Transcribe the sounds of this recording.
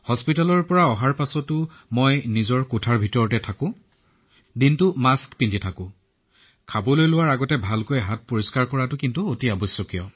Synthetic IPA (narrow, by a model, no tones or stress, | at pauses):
hɔspitalɔɹpɔɹaɔɦaɹpasɔtʊ | mɔjnizɔɹkʊtʰaɹbʱitɔɹɔtɛtʰakʊ̃ | dintʊmaskpindʱitʰakʊ̃ | kʰabɔlojlʊwaɹaɡɔtɛbʱalkojɦat̚poɹiskaɹkɔɹatʊkintuotiabɔsjɔkijɔ